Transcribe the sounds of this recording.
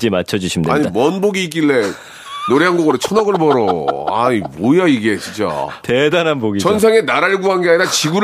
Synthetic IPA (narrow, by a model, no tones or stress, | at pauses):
d͡ʑimat͡ɕʰʌd͡ʑuɕʰimdaɲimʌnboɡiːk͈iɭːe̞ | noɾeɦanɡoɡʌɾɯt͡ɕʰʌnʌɡɯɭbʌɾoa̰ɲibojaiɡe̞t͡ɕʰint͡ɕ͈a̰tedanɦanboɡit͡ɕʌns̬ʰeŋe̞naɾaɭɡuɦanɡeaɲiɾat͡ɕiɡuɾ